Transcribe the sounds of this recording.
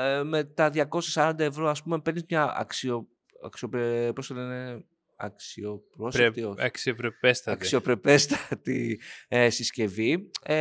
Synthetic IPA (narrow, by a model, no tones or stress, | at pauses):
eme̞t̪ɐðʝɐko̞sjɐsɐɾɐnd̪ɐe̞vɾo̞ɐspume̞pe̞ɾnizmɲɐɐ̰ksio | ɐ̰ksiopepɾosɐnine | ɐ̰ksio̞pɾost̪ioɐksiopɾepest̪ɐɐkio̞pɾe̞pe̞st̪ɐ̥t̪iesisce̞vi